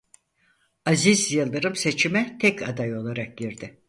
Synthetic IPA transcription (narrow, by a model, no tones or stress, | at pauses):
azizjɯlˠːɯɾɯmse̞t͡ʃʰimɛt̪ʰɛcʰad̪ajo̞lˠaɾak̚ɟiɾd̪ɪ